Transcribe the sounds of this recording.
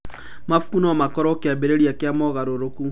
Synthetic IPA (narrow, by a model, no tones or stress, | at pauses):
mafu̥kunɔmakɔɾɔkeabeɾeɾiakeamɔɣaɾoɾoku